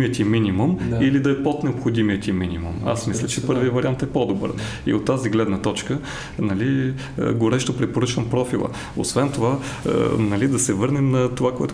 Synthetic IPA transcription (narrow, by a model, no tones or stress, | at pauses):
iət̪ʲiminʲimumilid̪ɐɛpɔt̪nɛopxod̪imiət̪ʲiminʲimṵma̰smislʲət͡ʃɛpɤɾvijəvɐɾʲiant̪ɛpɔd̪obɤ̰ɾ | ḭot̪ːaziɡlɛd̪nət̪ɔt͡ʃkə | nɐlḭ | ɡoɾɛʃt̪opɾɛpoɾɤt͡ʃvəmpɾɔfilˠə̰ | o̰svɛnt̪ova̰ | nɐlid̪ɐsɛvɤɾnɛmnɐt̪ovakoɛt̪